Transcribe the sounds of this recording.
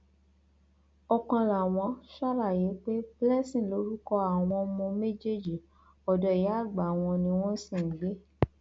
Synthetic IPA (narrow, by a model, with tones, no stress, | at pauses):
ɔ˧kɔ̃˧la˨w̃ɔ̃˧˦ʃa˦ɾa˦˨je˨˦k͡pe˦blɛ˦sĩ˨lo˨˦ɾu˦kɔ˧a˦˨w̃ɔ̃˧mɔ̃˧me˦d͡ʒe˦˨d͡ʒi˨ | ɔ˨dɔ˨e˨˦a˦˨ɡ͡ba˨w̃ɔ̃˧nĩ˧w̃ɔ̃˦sĩ˦˨ŋ̩˨˦ɡ͡be˦